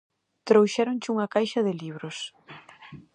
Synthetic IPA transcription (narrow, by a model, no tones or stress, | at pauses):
t̪ɾowʃɛɾont͡ʃɪuŋɐkajʃɐðɪliβ̞ɾʊs